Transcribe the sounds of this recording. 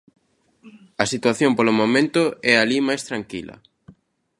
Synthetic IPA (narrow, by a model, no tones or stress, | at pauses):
ɐsit̪waθjompolomomẽnt̪ʊɛalimajst̪ɾaŋkilɐ̰